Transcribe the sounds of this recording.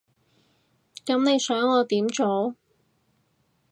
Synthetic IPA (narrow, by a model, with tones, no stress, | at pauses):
kɐ˨˥mne˨˧jsœː˨˥ŋɔː˨˧t̪iː˨˥mt͡ʃo˨˥w